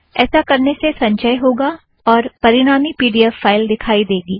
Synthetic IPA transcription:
ɛːsakɐɾnesesɐ̃ɲʃəjɦoːɡa | ɔːɾpɐɾɪɽ̃aːmipiːɖijəfaːɪld̪ɪkʰaːid̪eːɡiː

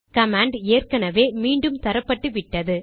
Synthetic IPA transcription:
kɐmaːɳɖeːrkɐnɐʋeːmiːɳɖɯmt̪ɐɾɐpːɐʈːɯʋɪʈːɐðɯ

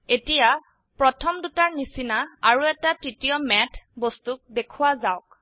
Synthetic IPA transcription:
etija | pɹɔtʰɔmdutaɹnisinaaɹuɛtatɹitijɔmɛtʰbɔstuk̚dekʰuwazaʊk

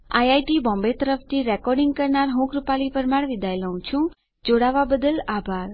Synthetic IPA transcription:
ajajʈibɔ̃mbet̪əɾəft̪ʰiɾɛkɔɾɖĩŋɡ̚kəɾnaɾɦũkɾupalipəɾmaɽʋid̪ʱajləɦũt͡ʃʰũ | d͡ʒoɽaʋabəd̪əlabʱaɾ

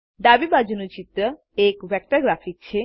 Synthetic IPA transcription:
ɖ̪abibad͡ʑunut͡ɕit̪ɾə | ekʋɛk̚ʈaɾɡɾafʰik̚t͡ɕʰe

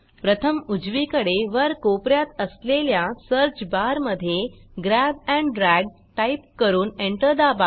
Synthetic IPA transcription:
pɾət̪ʰəmud͡zʋikəɽeʋəɾkopɾjat̪əsleljasəɾt͡ɕbaɾməd̪ʱːjeɡɾæbæ̃ɳɖɾæɡ̚ | ʈaip̚kəɾuːneɳʈəɾd̪aba

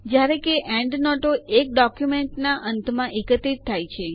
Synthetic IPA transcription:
d͡ʒjaɾekeʔɛ̃ɳɖnɔʈoek̚ɖɔkjumeɳʈnaʔənt̪ʰmãʔekət̪ɾit̪ʰːajt͡ʃʰe

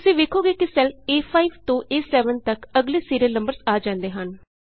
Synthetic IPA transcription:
ʊsẽːʋeːkʰoːɡeːkɪsɛleːpʰaːiʋt̪õːʔeːsɛːʋənt̪əkəɡleːsiːɾeːnə̃mbəɾsaːd͡ʒãːnd̪eːɦən

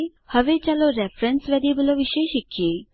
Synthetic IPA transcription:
həʋet͡ɕalɔɾɛfɾənsʋad̪ibəlɔʋiɕəjɕikije

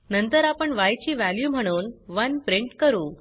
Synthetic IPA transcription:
nənt̪əɾapəɳʋajt͡ɕiːʋæljuːm̤əɽ̃uːnʋənpɾiɳʈkəɾuː

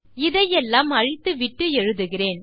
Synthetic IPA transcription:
ɪðɐjɛlːaːmɐɻɪt̪ːɯʋɪʈːɯɛɻɯðɯɣɪreːn

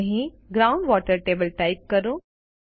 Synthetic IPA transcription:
ɦĩ | ɡɾaːʊ̃ɳɖʋɔːʈəɾʈeːbəlʈaɪp̚kɐɾũ

